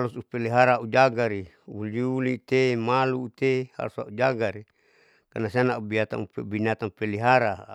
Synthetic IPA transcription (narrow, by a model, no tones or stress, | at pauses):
alusupeliɦaɾaaʔud͡ʒaɡaɾi | ululit̪emalut̪eha̰lusa̰ud͡ʒaɡaɾi | kanasianaubiat̪a̰pebinat̪apeliɦaɾa